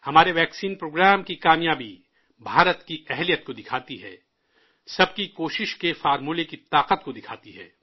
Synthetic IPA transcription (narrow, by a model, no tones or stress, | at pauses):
hɐmaːɾeʋɛːksiːnpɾoːɡɾaːmkikaːmjaːbi | bʱaːɾət̪kiɛɦlijət̪̚kod̪ɪkʰaːt̪iɦɛ̰ː | sɐb̚kikoːʃɪʃkefaːɾmulekit̪aːqət̪kod̪ɪkʰaːt̪iɦɛ̰ː